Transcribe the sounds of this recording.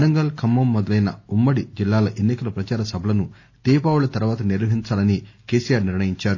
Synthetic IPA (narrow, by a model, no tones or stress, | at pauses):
ɐnɐŋɡɐlkʰɐmːɐmːɔd̪ɐlɐjnɐumːɐɽid͡ʒilːaːlɐʔenːikɐlɐpɾɐt͡ʃaːɾɐsɐbʱɐlɐnu | t̪iːpaːwulɐt̪ɐɾuʋaːt̪ɐniɾʋɐɦiɲt͡ʃaːlɐnikeːsijaːɾniɾɳɐjiɲt͡ʃaːɾu